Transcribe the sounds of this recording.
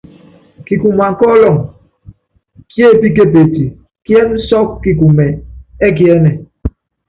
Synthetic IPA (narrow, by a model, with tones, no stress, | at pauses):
ki˨ku˨ma˨ŋ̩˨kɔ˦lɔ˨ŋ | kje˦˨pi˦ke˦p̬e˨ti˨ | ki˦ɛ˦n̩˦sɔ˦kːi˨ku˨mɛ˨e˦k̬i˦ɛ˦nɛ˨